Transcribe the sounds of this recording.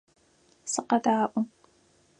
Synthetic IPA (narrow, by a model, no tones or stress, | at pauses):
sɨqɐdaːʔʷʊm